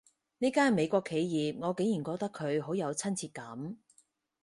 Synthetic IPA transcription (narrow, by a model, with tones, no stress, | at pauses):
niː˥kaː˥nme˨˧jkʷɔː˧kʰe˨˧jjiː˨p̚ŋɔː˨˧ke˨˥ŋjiː˨˩nkʷɔː˧k̚t̪ɐ˥kʰɵ˨˧ɥɦo˨˥wjɐ˨˧wt͡sʰɐ˥nt͡sʰiː˧t̚kɐ˨˥m